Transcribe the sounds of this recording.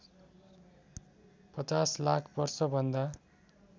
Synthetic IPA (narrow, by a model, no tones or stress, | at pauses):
pʌt͡saslakʰbʌrsʌbʱʌnd̪a